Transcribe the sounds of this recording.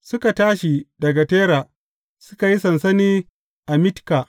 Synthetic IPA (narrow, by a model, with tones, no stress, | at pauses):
sʊ˦ka˨taː˦ʃi˨dɐ˨ɡa˨teː˦ɾaː˨ | sʊ̥˦ka˨ji˦sɐ˨nsɐ˦niː˦ | ʔa˨mɪ˦tkaː˨ʔ